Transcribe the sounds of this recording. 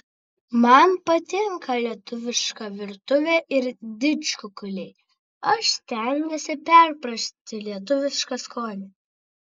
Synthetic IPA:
mɐnpɐt̪ʲɪŋkʰɐlʲiɛt̪ʊʋʲɪʃkɐʋʲɪɾt̪ʊʋʲeːʔɪɾd̪ʲɪt͡ʃkʊkʊlʲɛɪ | ɐʃst̪ʲɛnʲɡːʲɛsʲɪpʲɛɾpɾɐʃʲt̪ʲɪlʲiɛt̪̬ʊʋʲɪʃkɐskoːnʲɪ

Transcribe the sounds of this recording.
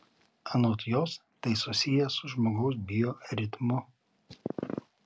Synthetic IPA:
ɐnoːt̪joːst̪ɐɪsʊsʲɪjɛsʊʒmoːɡɐʊs̬bʲɪjoːɾʲɪt̪mʊ

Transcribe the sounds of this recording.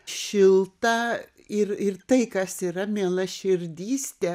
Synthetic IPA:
ʃʲɪlˠt̪ɐ | ɪrɪrt̪ɐɪkɐsiːɾɐmʲeːlˠɐʃʲɪɾʲd̪ʲiːsʲt̪ʲɛ

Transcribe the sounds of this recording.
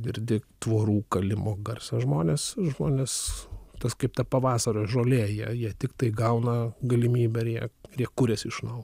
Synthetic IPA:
ɡʲɪrʲd̪ʲɪt̪ʋoːɾuːkɐlʲɪmoːɡɐrsɐʒmoːnʲeːsʒmoːnʲeːst̪ɐskɐɪpt̪ɐpɐʋɑːsɐɾoːʒoːlʲeːjiɛjiɛt̪ʲɪkt̪ɐɪɡɐʊnɐɡɐlʲɪmʲiːbʲɛɪɾjiɛɪjiɛkuɾʲɛsɪʃnɐʊ

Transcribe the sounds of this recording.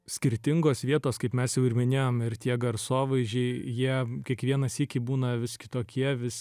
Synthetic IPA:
sʲkʲɪɾʲt̪ʲɪŋɡoːsʋʲiɛt̪oːskɐɪpmʲɛsjɛʊɪɾmʲɪnʲeːjoːmɪɾt̪ʲiɛɡɐɾsoːʋɐɪʒʲɛɪjiɛkʲiɛkʋʲiɛnɐsɪkʲɪbuːnɐʋʲɪskʲɪt̪oːkʲiɛʋʲɪs

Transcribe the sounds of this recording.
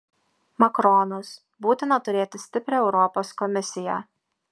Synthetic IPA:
mɐkɾɔnʊs | buːt̪ʲɪnɐt̪ʊɾʲeːt̪ʲɪsʲt̪ʲɪpʲɾʲeɛʊɾɔpoːskɔmʲɪsʲɪjɛ

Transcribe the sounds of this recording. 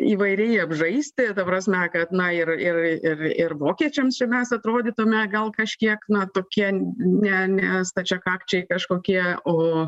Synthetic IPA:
iːʋɐɪɾʲɛɪɐbʒɐɪsʲt̪ʲɪt̪ɐpɾɐːsʲmʲɛkɐt̪nɐɪrɪrɪrɪrʋoːkʲiɛt͡ʃʲɛmst͡ʃʲɛmʲɛsɐt̪ɾoːd̪ʲiːt̪ʊmʲɛɡɐlˠkɐʃʲkʲiɛknɐt̪oːkʲiɛnʲɛnʲɛst̪ɐt͡ʃʲɛkɑːkt͡ʃʲɛɪkɐʃkoːkʲiɛoː

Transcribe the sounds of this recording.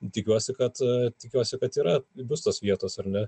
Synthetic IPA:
t̪ʲɪkʲuɔsʲɪkɐt̪t̪ʲɪkʲuɔsʲɪkɐt̪iːɾɐbʊst̪oːsʋʲiɛt̪oːsɐɾnʲɛ

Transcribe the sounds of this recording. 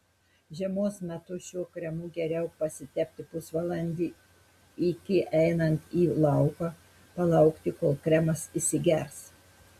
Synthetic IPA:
ʒʲɛmoːsmʲɛt̪ʊʃʲuɔkɾʲɛmuːɡʲɛɾʲɛʊpɐsʲɪt̪ʲɛpʲt̪ʲɪpʊsʋɐlˠɐnʲd̪ʲiː | ɪkʲɪʔɛɪnɐnt̪iːlˠɐʊkɐː | pɐlˠɐʊkt̪ʲɪkoːlˠkɾʲɛmɐsɪsʲɪɡʲɛɾs

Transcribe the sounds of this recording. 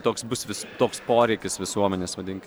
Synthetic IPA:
t̪oːksbʊsʋʲɪst̪oːkspoːɾʲɛɪkʲɪsʋʲɪsuɔmʲɛnʲeːsʋɐd̪ʲɪŋʲkʲ

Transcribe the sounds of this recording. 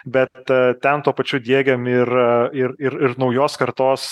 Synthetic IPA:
bʲɛt̪t̪ʲɛnt̪uːpɐt͡ʃʲʊd̪ʲiɛɡʲɛmɪɾɪɾɪɾɪɾnɒʊjoːskɐɾt̪oːs

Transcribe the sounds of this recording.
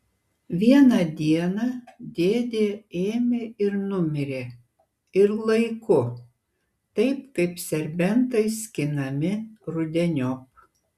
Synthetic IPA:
ʋʲiɛnɐd̪ʲiɛnɐd̪ʲeːd̪ʲeːeːmʲeɪɾnʊmʲɪɾʲeː | ɪɾlˠɐɪkʊ | t̪ɐɪpkɐɪpsʲɛɾʲbʲɛnt̪ɐɪsʲkʲɪnɐmʲɪɾʊd̪ʲɛnʲop̚

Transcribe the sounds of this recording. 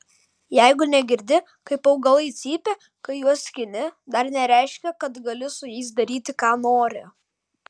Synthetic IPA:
jɛɪɡʊnʲɛɡʲɪɾʲd̪ʲɪ | kɐɪpɐʊɡɐlˠɐɪt̪sʲiːpʲe | kɐɪjuɔsʲkʲɪnʲɪd̪ɐɾnʲɛɾʲæɪʃʲkʲɛkɐt̪ɡɐlʲɪsʊjɛɪsd̪ɐɾʲiːt̪ʲɪkɑːnoːɾʲɪ

